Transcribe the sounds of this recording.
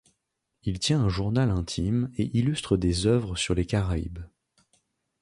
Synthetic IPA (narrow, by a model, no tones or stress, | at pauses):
ilt̪jɛ̃ɛ̃ʒuʁnalɛ̃t̪ʰimeʔilyst̪χəd̪ezœvʁəsyʁlekaʁaḭb